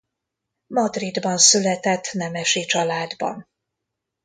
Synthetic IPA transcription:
mɒd̪rid̪bɒnsylɛt̪ɛt̪ːnɛmɛʃit͡ʃɒlaːd̪bɒ̰n

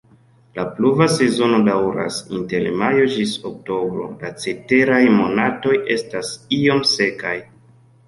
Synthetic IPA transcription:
lapluvase̞zo̞no̞dawɾa̰sḭnte̞lmajo̞d͡ʒisok̚to̞bɾo̞̰lat͡se̞te̞ɾajmo̞nato̞jʔe̞stasio̞mse̞kaj

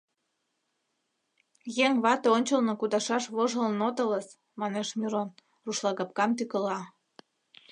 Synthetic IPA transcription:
jeŋβɑt̪oonʲt͡ɕəlnokud̪ɑʃɑʃβoʒəlnot̪ɤləs | mɑneʃmʲiɾon | ruʃlɑɣɑp̚kɑmt̪ykəlɑ

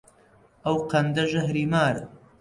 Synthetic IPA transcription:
ɐwqʰɐnd̪ɐʒɐɦɾiːmaːɾ

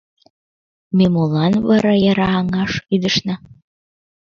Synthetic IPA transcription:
memolɑnβɑɾɑjɑɾɑːŋɑʃyd̪əʃnɑ

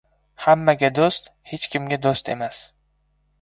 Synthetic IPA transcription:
hamːaɡʲad̪ost̪ | het͡ʃkʲʰɪmɡʲad̪ost̪ḛmas

